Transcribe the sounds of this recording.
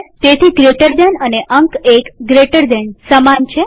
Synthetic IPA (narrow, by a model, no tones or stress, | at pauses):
t̪et̪ʰiɡɾeʈəɾd̪enəneʔəŋkekɡɾeʈəɾd̪ensəmant͡ʃʰe